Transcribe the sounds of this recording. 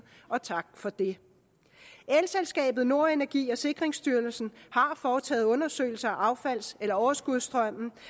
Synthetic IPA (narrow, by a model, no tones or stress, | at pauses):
ɒ̽t͡sʰɑ̈ɡ̥fɒ̽d̥e̝ | elselsɡ̥ɛ̰ːb̥ð̩ˠno̝ɐe̝næɐɡ̥ḭːɒ̽se̝ɡ̥ʁeŋsd̥yɐlsn̩hɑ̈fɒːt͡sʰɛ̰ːð̞̩ˠɔ̽nɐsø̰ːɪl̩sɐæʔɑ̈ʊfæl̰selɐɒʊɐsɡ̥uð̞̰ˠsd̥ʁœm̰n̩